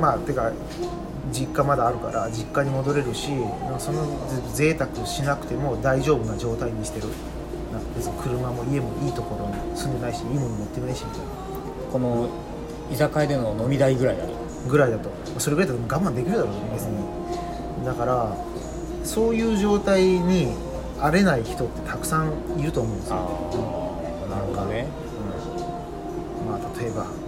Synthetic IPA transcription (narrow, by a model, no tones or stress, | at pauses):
mat̪oka | d͡ʑikːamad̪aːɾɯ̟ka̰ɾʔad͡ʑikːaɲ̟imo̞d̪o̞ɾe̞ɾɯ̟ɕinaso̞no̞zeze̞ːt̪akɯ̟ɕinakɯ̟t̪e̞mo̞d̪aiʑo̞ːbɯ̟nad͡ʑo̞ːt̪aiɲisi̥t̪e̞ɾɯ̟ | nãd̪esɨ̥kakʰɯ̟ɾɯ̟mamo̞ie̞mo̞ʔiːt̪o̞ko̞ɾo̞nosɨ̃nd̪e̞naiɕiiːmo̞nomot̪ːe̞kinaiɕint̪a | ko̞no̞ | izakaid̪e̞no̞no̞mʲid̪aiɡɯ̟ɾaia̰ɾɯ̰ | ɡɯ̟ɾaid̪at̪o̞ | masoɾeɡɯɾait̪at̪emoɡãmand̪e̞kʲiɾɯ̟d̪aɾoːnebe̞t͡sɨɲ̟i | d̪akaɾa | so̞ːjɯ̟ːʑo̞ːt̪aiɲ̟i | aɾe̞naiçi̥t̪o̞t̪ːe̞t̪ʰakɯ̟̥sãŋiɾɯ̟t̪o̞ːmõ̞ːnsj̰ | nãŋkae | ɯ̟̃ | maːt̪ʰat̪o̞e̞ba̰